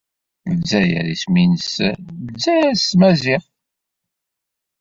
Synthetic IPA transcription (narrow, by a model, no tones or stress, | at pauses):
məzːæjə̰ɾisminəsməd͡zːæjæsmæziʁ